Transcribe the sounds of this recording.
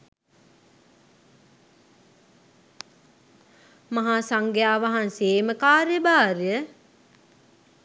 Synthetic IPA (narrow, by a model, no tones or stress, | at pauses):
mɐɦaːsaŋɡejaːʋaɦanseːməkaːɾjəbaːɾjə